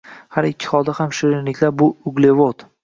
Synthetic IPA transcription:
haɾɪkʲʰːɪ̥χɒd̪ahamʃɪɾɪnlɪkʲlaɾbʊʊɡlevot̪

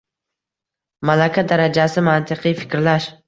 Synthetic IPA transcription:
malakʲʰad̪aɾad͡ʒasɪmant̪ʰɪqʰɨjfɪ̥kʲɾlaʃ

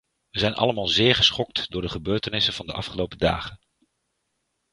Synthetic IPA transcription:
ʋəzɛjnʔɑ̰ləmaːlˠzɪːɹχə̥sχɔk̚tdʊːɹdəχəbøːɹtənɪsənv̥ɑndəʔɑfχəlowpəda̰ːχən

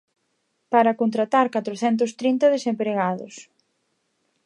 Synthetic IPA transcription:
paɾɐkont̪ɾat̪aɾkat̪ɾoθɛnt̪̬ʊst̪ɾint̪ɐðesempɾeɣaðʊ̰s

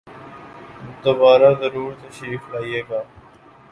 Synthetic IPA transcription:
d̪obaːɾaːzəɾuːɾt̪eʃiːflaːieːɡaː

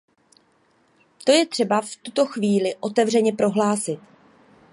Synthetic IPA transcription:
t̪o̞jɛt̪r̥ɛbaft̪ut̪o̞xviːlɪʔo̞t̪ɛvr̝ɛɲɛpɾo̞ɦlaːsɪt̪

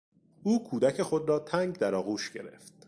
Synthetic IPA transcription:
ʔuːkʰuːd̪æcʰe̞xo̞d̪ɾɒːt̪ʰæŋɡd̪æɾɒːɣuːʃɟe̞ɾe̞̰ft̪̚

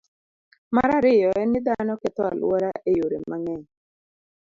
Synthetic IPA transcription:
ma̰ɾaɾɪjɔɛnɪd̪anɔkɪt̪ɔa̰lwɔɾaʔejoɾemaŋɛɲ

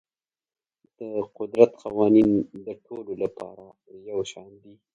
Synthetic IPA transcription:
d̪̥əqʊd̪ɾat̪qawɑnind̪əʈʰololapɑ̰ɾa | jawʃɑnd̪i

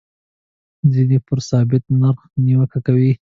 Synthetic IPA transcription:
zinepəɾsɑbɪt̪̚naɾxniwəkakawi

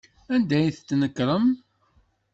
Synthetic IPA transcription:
ænd̪æjθt͡sːnəkːɾˤəm

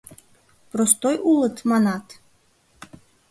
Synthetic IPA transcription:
pɾost̪ojʔulˠɤt̪mɑnɑt̪

